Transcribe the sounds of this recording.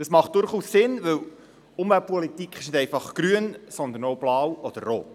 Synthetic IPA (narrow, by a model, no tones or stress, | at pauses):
d̥ɑsmɑχt̚d̥ʊɾχussɪnʋɵw | ʊmvælt̚pʰɔlit̪ikχɪʃnɪd̪ɛɪfɑχɡ̥ɾyənsɔnd̪ənoʊb̥lɑːwɔd̥̪əɾːoːt